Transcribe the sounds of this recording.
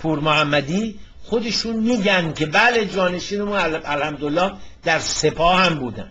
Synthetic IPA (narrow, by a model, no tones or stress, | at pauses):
pʰuːɾmohæmːæd̪iː | xod̪e̞ʃuːnmiːɟænd̪cʰe̞bæle̞d͡ʒɒːne̞ʃiːnemuːnælhæmd̪olːɒːhd̪̥æɾse̞pʰɒːhæmbuːd̪æ̰n